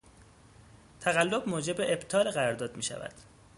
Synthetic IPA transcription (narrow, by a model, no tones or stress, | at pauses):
t̪ʰæɣælːobmoːd͡ʒe̞beʔebt̪ʰɒːleɣæɾɒɾd̪ɒːd̪miːʃæ̰væ̰d̪̥